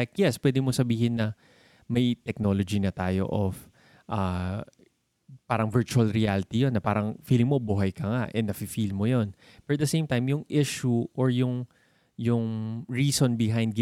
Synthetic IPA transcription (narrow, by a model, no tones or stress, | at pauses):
k̪̚jɛspwɛd̪ɪmosɐbiːhɪnːɐ | mɐjt̪ɛk̚no̞ːlod͡ʒinɐt̪aːjo̰ʔof | ʔɐ | paːɾɐŋvɛɹt͡ʃuɐlɾɪaːlɪt̪ijonːɐpaːɾɐŋfiːlɪŋmo̞buɦɐjkɐŋaʔɛnːɐfifilmojo̞n | fɛɹɐt̪̚d̪ɐsej̃mt̪ajmjʊŋʔɪʃuʔoɹjʊŋ | jʊŋɹiːsonbɪɦajnd̪ɡ